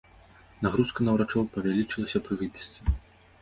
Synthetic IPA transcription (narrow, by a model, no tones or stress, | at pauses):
naɣɾuskɐnɐwɾat͡ʂɔwpɐvʲalʲit͡ʂɨlˠɐsʲɐpɾɨɣɨpʲisʲt̪t͡s̪ʲɐ